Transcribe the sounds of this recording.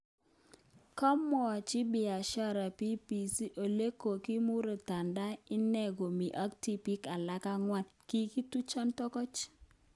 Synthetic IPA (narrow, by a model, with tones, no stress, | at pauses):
kɔ˦mɔ˨t͡ʃɪ˦bɪ˨a˨ʃa˦ɾa˨pi˦pi˨si˦ʔo˨le˦ko˨ki˦mu˦ɾo˨ta˨nda˦ɪ˦nɛ˦˨ɡo˨mi˨ʔa˦kti˦pi˦ka˨la˦ka˦ŋwa˦nki˦ki˦tu˦t͡ʃɔ˦ntɔ˦kɔ˦t͡ʃ